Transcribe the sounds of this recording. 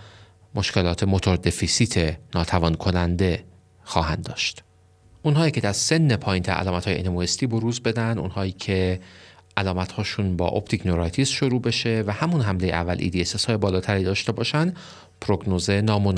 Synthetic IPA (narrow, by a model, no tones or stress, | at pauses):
mo̞ʃkʰe̞lɒːt̪ʰe̞mo̞t̪ʰo̞ɾd̪efisiːt̪ʰenɒːt̪ʰævɒːnkʰo̞nænd̪e̞ | xɒːɦænd̪ɒːʃt̪ | ʔunɦɒːiːcʰe̞d̪æɾse̞nːepʰɒːjint̪ʰæ̰ɾʔæ̰lɒːmæt̪hɒːjeʔḭnemoest̪iːbo̞ɾuːzbe̞d̪ænd̪ṵnhɒːiːcʰe̞ʔælɒːmæt̪hɒːʃunbɒ̰ːʔo̰pt̪ʰiknoɾɒjt̪ʰisʃoɾuːbe̞ʃe̞væhæmunɦæmle̞jeʔæ̰vːælʔḭːd̪ieseshɒːje̞bɒːlɒːt̪ʰæɾiːd̪ɒːʃt̪e̞bɒːʃænd̪ | pʰɾo̞ɡnoːzenɒːmon